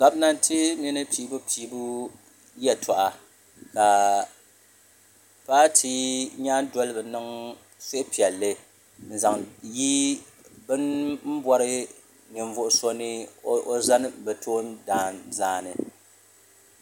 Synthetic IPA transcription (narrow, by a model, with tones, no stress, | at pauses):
ɡa˨bna˦n˦tʰi˦mi˦nɨ˦piː˨˦bu˦pʰiː˨bu˦ | jɛ˨tʰɔ˨ʔa˨ | ka˨ | paː˦tʰi˦ɲaː˦n˦dɔ˦lbɨ˨nɨ˦ŋ | se˦ʔɪ˦pi˨ɛ˨lːɨ˦ | n̩˨za˨ŋji˦ | bɨ˦nm̩˦bwɔ˦ɾɨ˦ | ɲɪ˨ɱ˨vʊ˨ʔʊ˦so˦nɨ˦o˦za˦nɨ˦bɛ˨tʰoː˦ndaː˨nzaː˨nɨ˨